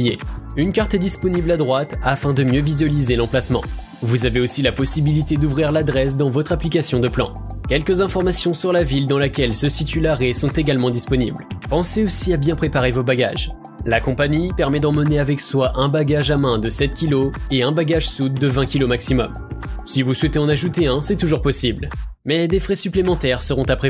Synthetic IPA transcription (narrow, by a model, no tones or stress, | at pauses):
jeynkaʁt̪ɛd̪ispɔniblad̪ʁwat̪afɛ̃d̪əmjøvizɥalizelɑ̃plasmɑ̰̃ | vuzaveosilapɔsibilit̪ed̪uvʁiʁlad̪ʁɛs̬d̪ɑ̃vɔt̪χaplikasjɔ̃d̪əplɑ̰̃ | kʲɛlkəzɛ̃fɔʁmasjɔ̃syʁlavild̪ɑ̃lakʲɛlsəsit̪ylaʁesɔ̃t̪eɡʲalmɑ̃d̪ispɔnḭblpɑ̃seosiabjɛ̃pχepaʁevobaɡa̰ʒ | lakɔ̃paɲipɛʁmɛd̪ɑ̃məneavɛkswaʔɛ̃baɡaʒamɛ̃d̪əsɛt̪̚kʲiloeɛ̃baɡaʒsud̪̚ːəvɛ̃kʲilomaksimɔm | sivuswɛt̪eɑ̃naʒut̪eɛ̃sɛt̪uʒuʁpɔsibl | mɛd̪efχɛsyplemɑ̃t̪ɛʁsəʁɔ̃t̪apχe